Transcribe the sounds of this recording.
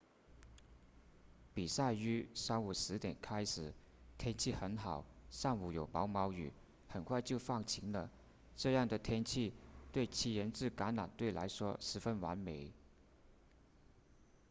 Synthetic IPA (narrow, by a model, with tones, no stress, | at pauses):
pi˨˩sa˥˩ɪy˥ʂɑ˥ʊu˨˩ʂɻ̩˧˥t̪jɛ˨˩nkʰa˥ɪʂɻ̩˨˩˦ | t̪ʰjɛ˥nt͡ɕʰi˥˩xə˧˥nxɑ˨˩˦ʊʂɑ˥˩ŋu˨˩jo˨˩ʊmɑ˧˥ʊmɑ˧˥ʊy̰˨˩ | xə˨˩nkʰwa˥˧ɪt͡ɕjo˥˧ʊfɑ˥˩ŋt͡ɕʰi˧˥ŋlə˧ | ʈ͡ʂɤ˥˧jɑ˥˩ŋd̪ə˩t̪ʰjɛ˥nt͡ɕʰi˥˩t̪we˥˩ɪt͡ɕʰi˧˥jə˧˥nʈ͡ʂɻ̩˥˩ka˧˥nla̰˨˩nt̪we˥˩ɪla̰˧˥ɪʂwɔ˥ʂɻ̩˧˥fə˥nwa̰˧˥nme˨˩˦ɪ